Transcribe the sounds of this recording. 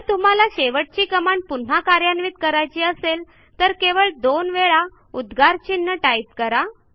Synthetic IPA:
t̪um̤alaɕeʋəʈ̚t͡ɕiːkəmaɳpun̤akaɾjanʋit̪kəɾajt͡ɕiːəsel | t̪əɾkeʋəɭd̪onʋeɭa | ud̪ɡʱaɾt͡ɕinːəʈajp̚kəɾa

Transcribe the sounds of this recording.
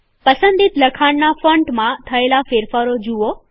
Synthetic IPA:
pəsə̃nd̪it̪ləkʰaɳnafə̃ɳʈmãt̪ʰɐelafeɾfaɾod͡ʒuʋo

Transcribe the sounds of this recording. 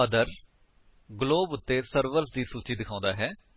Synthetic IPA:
əd̪əɾ | ɡloːbʊt̪ːeːsəɾʋəɾsd̪iːsuːt͡ʃiːd̪ɪkʰãːnd̪aːɦɛː

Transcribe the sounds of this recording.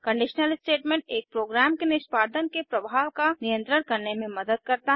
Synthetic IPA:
kə̃ɳɖɪʃnəlsʈeːʈmẽːɳʈ̚eːk̚pɾoːɡɾaːmkenɪʃpaːɾd̪ʱənkepɾɐbʱaːʋkanijə̃nt̪ɾənkɐɾnemẽmɐd̪əd̪̚kɐɾt̪aɦ

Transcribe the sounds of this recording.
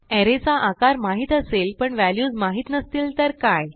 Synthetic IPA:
ɛɾet͡saʔakaɾmaɦiːt̪əselpəɳʋæljuːd͡zmaɦiːt̪nəst̪iːlt̪əɾkaj

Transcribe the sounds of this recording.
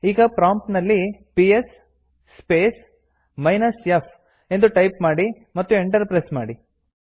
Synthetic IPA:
iːɡɐpɾaːmpnɐlːipiesː | peːs | mɐjnɐsjep | e̞nd̪uʈɐjpmaːɽi | mɐt̪ːue̞ɳʈɐɾpɾesmaːɽi

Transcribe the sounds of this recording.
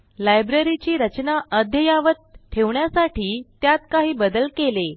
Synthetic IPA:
lajbɾeɾit͡ɕiːɾət͡ɕnaʔəd̪ʱjəjaʋət̪̚ʈʰeʋɳjasaʈʰiːt̪jat̪kaɦiːbəd̪əlkele

